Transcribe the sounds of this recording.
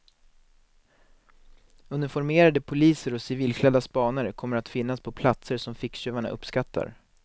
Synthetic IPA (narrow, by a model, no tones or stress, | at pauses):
ɵnːɪfɔɾmeːɾad̪əpʰʊliːsəɾɔsɪviːlkʰlɛd̪aspɑːnəɾkʰɔmːəɾat̪fɪnːaspʰɔpʰlat̪səɾʂɔmfɪkɕøːvaɳa̰ʔɵ̰pːskat̪ʰːa̰ɾ